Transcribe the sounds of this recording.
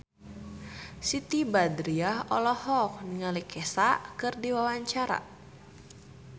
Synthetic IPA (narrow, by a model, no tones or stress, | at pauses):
sit̪ibadɾiaɦɔlɔhɔk̚niŋalikɛsaʔkɨrdiwawaɲt͡ʃaɾa̰